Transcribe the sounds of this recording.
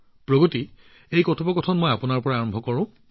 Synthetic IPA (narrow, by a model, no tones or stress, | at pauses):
pɹoɡoti | ejkɔtʰɔpɔkɔtʰɔnmɔjapunaɹpɔɹaːɹɔmbʱɔkɔɹʊ̃